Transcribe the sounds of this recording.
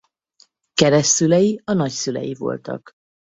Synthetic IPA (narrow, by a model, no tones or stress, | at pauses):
kɛɾɛʃt̪sylɛjiɒnɒcsylɛ̰jivo̞̰lt̪ɒ̰k